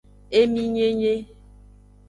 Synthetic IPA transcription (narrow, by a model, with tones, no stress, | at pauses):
e˦mĩ˦ɲe˦ɲe˦